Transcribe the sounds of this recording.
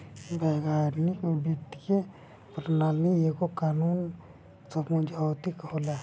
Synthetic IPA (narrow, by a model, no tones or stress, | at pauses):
bɛːɡaːɾnikɔbəkt̪ike | pɾnaːlniekokaːnuːn | səbmud͡ʒʱat̪ikoːla